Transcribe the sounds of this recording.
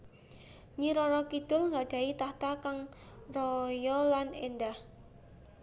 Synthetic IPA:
ɲiɾɔɾɔkid̪̥ʊ̤lŋɡaɖ̥a̤it̪aht̪akaŋ | rɔjɔlanendah

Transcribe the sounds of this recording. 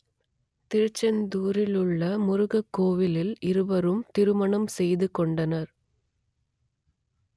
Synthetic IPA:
t̪ɪɾɯt͡ʃːɐnd̪uːɾɪlɯɭːɐmʊɾʊɣɐkːoːʋɪlɪlɪɾɯʋɐɾɯmt̪ɪɾɯmɐɳɐmsɛjðɯkɔɳɖɐnɐɾ

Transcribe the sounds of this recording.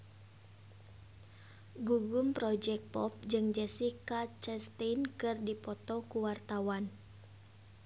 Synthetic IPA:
ɡuɡumpɾɔd͡ʒɛk̚pɔp̚d͡ʒɨŋd͡ʒɛsikat͡ʃɛst̪enkɨrdipɔt̪ɔkuwart̪awan

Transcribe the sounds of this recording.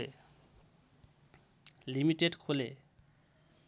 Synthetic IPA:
e | limiʈeɖkʰole

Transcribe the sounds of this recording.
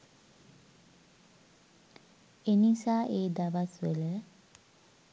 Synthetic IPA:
enisaːʔeːd̪aʋasʋelə

